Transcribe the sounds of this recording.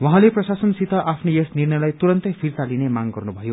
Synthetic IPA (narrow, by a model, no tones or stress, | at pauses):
wʌɦãleprʌsasʌnsit̪ʌʔapʰnojesnirnʌjlajt̪uɾʌnt̪ʌpʰirt̪alinemaŋɡʌrnubʱʌjo